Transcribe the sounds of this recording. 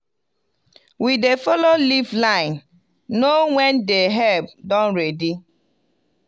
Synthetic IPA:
widefɔloliflãɪ̃nː | owɛndeɦɛb̚dɔ̃nɹedi

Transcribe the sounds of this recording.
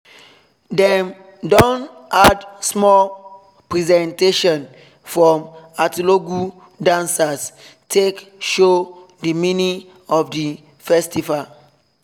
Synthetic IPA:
dɛm | dõnʔadsmɔl | pɹizɛ̃nteʃɔ̃n | fɹɔ̃matiloɡu | dãnsastʰekʃo | dəmini | ɔfdi | fɛstival

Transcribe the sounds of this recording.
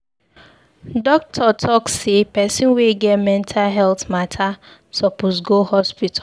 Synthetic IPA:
dɔk̚tʰɔtʰɔksːepɛsĩnweɡɛtmɛ̃ntʰalɦɛltmatʰa | sɔposɡohɔspitʰa

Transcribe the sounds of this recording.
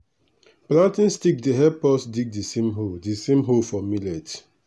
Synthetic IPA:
plãntĩnstik̚diɦɛpɔsdik̚disẽmɦodisẽmɦofɔmilɛt

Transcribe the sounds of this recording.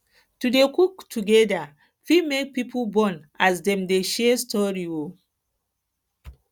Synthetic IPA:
tudekuktʰuɡɛda | fimek̚pipʰolbɔ̃nʔasdɛ̃mdeʃɛstʰɔɹio

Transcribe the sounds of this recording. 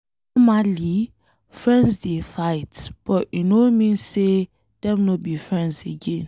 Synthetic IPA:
n | ɔmali | fɹɛ̃ndsdefaɪtb̥ɔʔinomĩnse | d̥ɛ̃mnobifɹɛ̃ndzeɡẽn

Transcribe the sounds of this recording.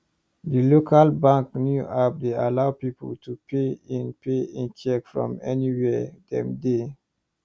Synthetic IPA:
dilokʰalbãŋknjuʔap̚dealaʊpipʰə̰ltʰupʰeĩnpʰeĩnt͡ʃɛkfɹɔ̰̃mɛniwɛdɛ̰̃mde

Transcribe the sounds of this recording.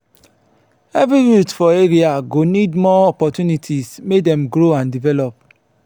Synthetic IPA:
ɛvɾiɹutfɔeɾiaɡonidmɔɔpɔtunitʰismek̚dɛ̃mɡɾoãndivɛlɔp̚

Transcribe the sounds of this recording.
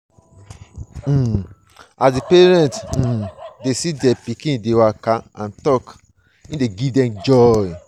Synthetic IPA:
asdipeɹɛ̃nt̩desidɛpikĩdewakaãntɔk | ĩdeɡivdɛ̃md͡ʒɔj

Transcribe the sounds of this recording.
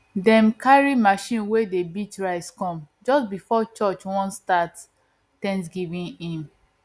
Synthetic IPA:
dɛ̃mkʰaɹimaʃĩnwedebitɹaɪskɔ̃md͡ʒɔsbifɔt͡ʃɔt͡ʃwɔ̃nstat | tɛ̃ns̬ɡivĩnĩm

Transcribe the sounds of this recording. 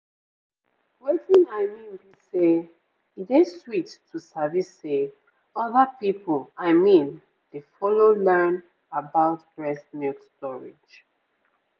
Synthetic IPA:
wɛtĩnaɪmĩnbise | ideswitʰː | usavisːe | ɔðəpipɔlaɪmĩn | d̥efɔlolɛ̃n | abaʊtbɹɛsnitstɔɹḭd͡ʒ

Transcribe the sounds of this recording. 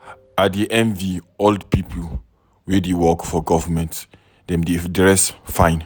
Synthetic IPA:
adiʔɛ̃nvioldpipʰl | wɛdewɔkfɔɡɔvəmɛ̃nt | dɛ̃mdedɹɛsfãɪ̃n

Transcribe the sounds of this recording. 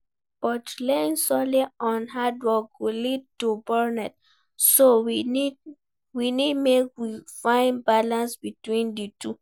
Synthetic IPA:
b̥ɔtlɛ̃nsɔliɔ̃nɦadɹɔɡolid̚tubɛɹnɛt | sowini | winidmekwifãɪ̃nbalãnsbitwĩnditu

